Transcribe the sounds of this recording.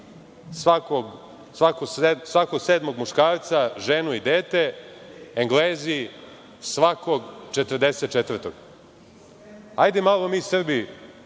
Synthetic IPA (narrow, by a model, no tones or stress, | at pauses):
sʋakoɡ | sʋakossʋako̞ɡseːd̪mo̞ɡmuʃkaːɾt̪saʒenuid̪eːt̪e̞ | eŋɡleːzi | sʋakoɡt͡ʃet̪rd̪eset̪̚t͡ʃet̪vr̩t̪oɡ | ajd̪emalˠomiːsr̩bi